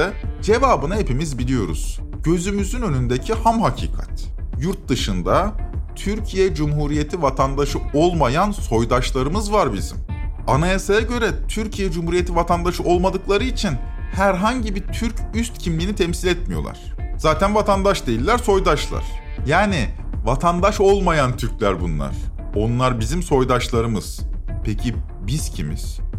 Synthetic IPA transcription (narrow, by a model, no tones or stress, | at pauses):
ɛd͡ʒe̞vaːbɯnaɦepimizbilʲijo̞̰ɾṵz̥ | ɟ̥ø̞zymyzynø̞nynd̪ecʰihamɦacʰḭːkʰa̰t̪ | juɾt̪̚d̪ɯʃɯnd̪at̪ʰyɾcʰijɛd͡ʒumɦuːɾije̞t̪ʰivat̪ʰand̪aʃɯo̞lˠmajanso̞jd̪aʃlˠaɾɯmɯzvaɾbḭzḭmanajasajaɟø̞ɾɛt̪ʰyɾcʰijɛd͡ʒumhuɾije̞t̪ʰivat̪ʰand̪aʃɯʔo̞lˠmad̪ɯklˠaɾɯit͡ʃʰin | hæɾɦaɲɟibit̪ʰyɾcyst̪cʰimlʲiːnit̪ʰɛmsilʲɛt̪mijolˠa̰ɾ̝̥z̥aːt̪ʰænvat̪ʰand̪aʃd̪e̞jilʲːæɾso̞jd̪aʃlˠa̰ɾ̥ | jaːnivat̪ʰand̪aʃo̞lˠmajant̪ʰyɾcʲlʲæɾbunlˠa̰ɾ̥ | o̞nlˠaɾbizimso̞jd̪aʃlˠaɾɯmɯz̥pʰecʰi | biz̥cʰimḭz̥